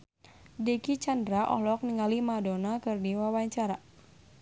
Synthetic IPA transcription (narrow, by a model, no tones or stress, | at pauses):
dɛkit͡ʃandɾaʔɔ̰hlɔk̚niŋalimadɔnakɨrdiwawaɲt͡ʃaɾa